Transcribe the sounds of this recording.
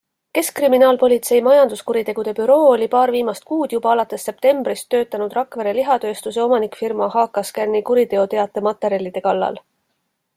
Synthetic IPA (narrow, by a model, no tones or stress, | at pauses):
ke̞skriminɑːlpo̞lʲit̪se̞jmɑjɑnd̪̥uskuɾit̪e̞ɡ̥ud̪e̞pyɾo̞ːolʲipɑːrviːmɑst̪̚kuːd̪̥jub̥ɑɑlɑt̪ːˑe̞sːe̞p̚t̪e̞mb̥rist̪ːø̞ːt̪ːˑɑnud̪rɑkve̞ɾeliɦɑt̪ø̞ːst̪us̬eo̞mɑnikfirmɑhɑːkːˑɑskærnikuɾit̪e̞o̞t̪e̞ɑt̪ːˑe̞mɑt̪ːˑe̞ɾjɑlʲːid̪̥e̞kɑlːɑ̰l